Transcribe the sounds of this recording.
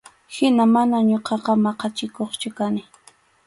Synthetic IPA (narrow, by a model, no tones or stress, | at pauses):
hɪnamanaɲoqɑqɑmɑqɑt͡ʃɪkoχt͡ʃʊkanɪ